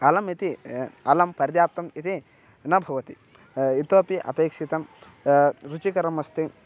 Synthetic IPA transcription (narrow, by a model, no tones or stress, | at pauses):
ɐlɐmit̪iɐlɐmpɐɾd̪jaːp̚t̪ɐmit̪i | nɐbʱɐʋɐt̪i | it̪oːpiʔɐ̰peːkʂit̪ɐm | ɾut͡ʃikɐɾɐmɐst̪i